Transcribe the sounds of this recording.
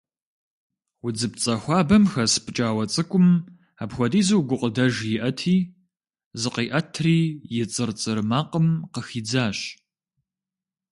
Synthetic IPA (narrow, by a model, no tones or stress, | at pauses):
wʊd͡zɨpt͡sʼɐxʷaːbɐmxɐsɨ̥pʰʼɨt͡ʃʼaːwɐt͡sʼɨkʷʼʊm | apxʷɔdiːzɨwɡʷʊqʼədɐʒjɪʔɐtʰiː | zɨqiːʔɐtʰriːjɪt͡sʼɨrt͡sʼɨrmaːqəmqəxiːd͡zaːɕ